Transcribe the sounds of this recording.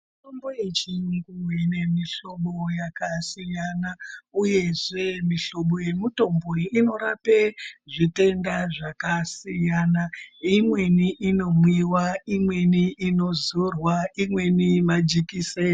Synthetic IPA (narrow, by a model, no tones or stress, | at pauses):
mitomboet͡ʃinikumwenemiɬo̞ɓo̞jakasijanauje̞ʐe̞miɬo̞ɓo̞je̞muto̞mbo̞ino̞ɾape̞ʐite̞ndaʐakasijanaimwe̞niʔino̞mwiwaimwe̞niino̞zorwaimwe̞nimad͡ʒikiseː